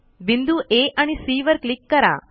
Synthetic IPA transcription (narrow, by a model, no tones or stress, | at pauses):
bind̪uʔeʔəñisiːʋəɾklɪkːəɾa̰ː